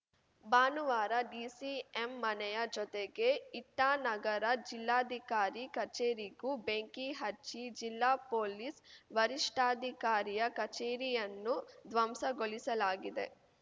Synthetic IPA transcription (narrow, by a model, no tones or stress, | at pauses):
baːnuʋaːɾɐɖiːsiemːɐnɛjɐd͡ʒɔt̪eɡe̞iʈːaːnɐɡɐɾɐd͡ʒilːaːd̪ʱikaːɾikɐt͡ʃeːɾiɡubeŋkiɦɐt͡ʃːid͡ʒilːaːpoːlisʋɐɾiʂʈaːd̪ʱikaːɾijɐkɐt͡ʃeːɾijɐnːud̪ʋɐmsɐɡoɭisɐlaːɡid̪e̞̰